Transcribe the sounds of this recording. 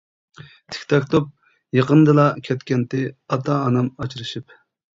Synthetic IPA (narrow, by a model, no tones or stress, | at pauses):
t̪ʰɪ̥kʲt̪ʰɑkt̪ʰop̚ | jeqənd̪ɨlˠɑkʲʰɛt̪kʲɛnt̪ɪɑt̪ʰɑːnɑmɑt͡ʃʰiɾɨʃip